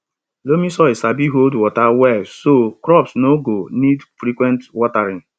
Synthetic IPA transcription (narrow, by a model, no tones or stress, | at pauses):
lomisɔisabiɦoldwɔtawɛlsokɾɔpsnoɡonidfɾikwɛ̃ntwɔtaɾɪn